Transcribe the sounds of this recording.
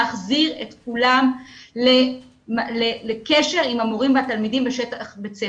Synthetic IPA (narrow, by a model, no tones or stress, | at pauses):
aχziʁḛt̪kulamle | malelekeʃe̞ʁimamoʁimvat̪almidimbeʃet̪aχbet͡se